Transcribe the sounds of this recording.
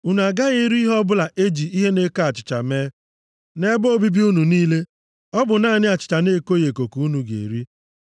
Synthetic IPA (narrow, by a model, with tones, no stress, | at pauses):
u˦nu˨a˨ɡa˦ɣe˦ɾi˦ɦɔ˦bʊ˦la˨ʔe˦d͡ʒi˨i˦ɦe˦ne˦ka˦a˨t͡ʃɪ̥˨t͡ʃa˨meː˦ | ne˦bo˦bi˦bi˦u˦nu˨niː˦le˦ | ɔ˦bʊ˨na˦˨nɪ˦a˨t͡ʃɪ̥˨t͡ʃa˨ne˦˨ko˦je˨ko˨ku˨u˦nu˨ɡḛ˨ɾi˦